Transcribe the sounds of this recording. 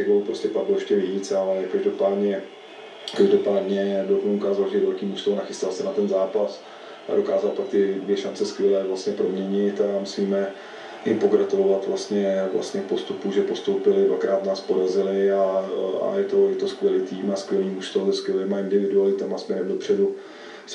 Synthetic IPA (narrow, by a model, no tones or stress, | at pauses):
ɛɣbolupɾoscɛpaɡloɛʃcɛvɪit͡salɛkaʒdopaːdɲɛ | kaʒdo̞paːdɲɛɛdokukaːzaltɛdvɛlkiːmust̪onaxɪst̪alsɛnat̪ɛnzaːpas | ʔa̰do̞kaːzalpak̚t̪ɪdvjɛʃant͡sɛskʋjɛlɛːvlast̪ɲɛpɾo̞mɲɛɲɪt̪amusiːmɛ | ʔɪpo̞ɡɾat̪ulo̞vat̪vlast̪ɲɛvla̰st̪ɲɛpo̞st̪upuʒɛpo̞st̪owpɪlɪdva̰kɾaːt̪naːspodazɪlɪaa̰jɛt̪o̞jɛt̪o̞skʋʲjɛliːt̪iːmaskvʲjɛliːmuʃt̪olzɛskvʲjɛliːmaɪndɪvɪdualɪt̪ɛmasmɲɛɾɛmdo̞pr̝̥ɛdu